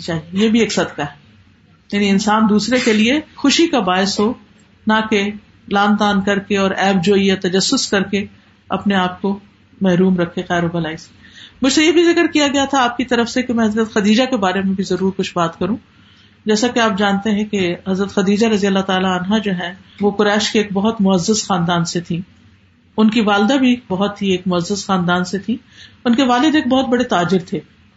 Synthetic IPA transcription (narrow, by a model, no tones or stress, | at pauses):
t͡ʃaːɦijejebʱieːksɐd̪kaɦɛ | jaːniɪnsaːnd̪uːsɾekeliexʊʃikabaːɪsɦo | nake | laːnd̪aːnkɐɾkeɔːɾɛːb̚d͡ʒoːiet̪ɐd͡ʒɐsːʊskɐɾke | ɐ̰pneaːp̚ko | mɛɦɾuːmɾɐkʰːeqɛːɾobɐlaːise̥mʊd͡ʒʱsejebʱizɪkɾkijaɡɐjat̪ʰaaːp̚kit̪ɐɾəfsekemɛ̃ɦɐzɾət̪xɐd̪iːd͡ʒakebaːɾemẽbʱizɐɾuːɾkʊt͡ʃʰbaːt̪kɐɾũː | d͡ʒɛːsakeaːp̚d͡ʒaːnt̪eɦɛ̃keɦɐzɾət̪xɐd̪iːd͡ʒaɾɐzijalːat̪aːlaɐnɦad͡ʒoːɦɛ̃ʋokʊɾɛːʃkeeːk̚bɐɦʊt̪mʊɦɐzːəsxaːnd̪aːnset̪ʰĩː | ʊnkiʋaːld̪abʱibɐɦʊt̪ɦieːkmʊəzːəsxaːnd̪aːnset̪ʰĩ | ʊnkeʋaːlɪd̪eːk̚bɔɦʊt̪̚bɐɽet̪aːd͡ʒɪɾt̪ʰeː